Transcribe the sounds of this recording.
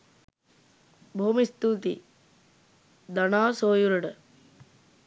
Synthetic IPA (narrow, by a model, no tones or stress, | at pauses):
bʱoːmist̪uːt̪ḭ | d̪anaːsoːjuɾəɖə